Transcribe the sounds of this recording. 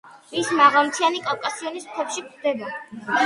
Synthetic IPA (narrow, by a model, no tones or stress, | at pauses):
vismaʁamt̪ʰianikʼalˠkʼasiɔnist̪ʰɛpʃikʰd̪ɛba